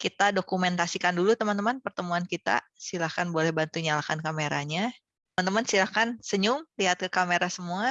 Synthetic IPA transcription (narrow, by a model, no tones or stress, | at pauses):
kit̪adokumɛnt̪asikandulut̪əmant̪əmanpərt̪əmuankit̪a̰ | silakanbolɛhbant̪uɲalakankameɾaɲa | t̪əmant̪əmansilakansəɲʊmliɦat̪̚kəkameɾasəmua